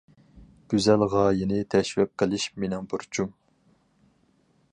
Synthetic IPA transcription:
ɡ̥ʲyzælʁɑːjinɪt̪ʰɛʃwɛp̚qʰəlˠɪʃmenɪŋbuɾt͡ʃʰum

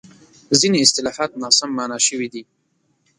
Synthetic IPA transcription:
zineɪst̪ɪlɑhɑt̪̚nɑsamːanɑʃəwid̪i

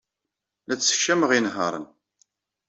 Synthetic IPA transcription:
æt͡sːə̥çːæməʁinɦə̰ɾˤə̰n

